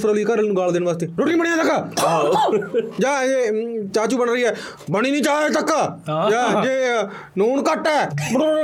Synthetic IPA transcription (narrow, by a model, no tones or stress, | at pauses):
pəɾəːliːkəɾənũːɡaːld̪eːnʋaːst̪eːɾʊːʈĩnbəɽiːɛːt̪əkː | d͡ʒaːd͡ʒeːt͡ʃaːt͡ʃuːbəɳɾəiːɛː | bəɽ̃iːnĩːt͡ʃaːt̪əkːd͡ʒaːd͡ʒeː | noːnkəʈɛː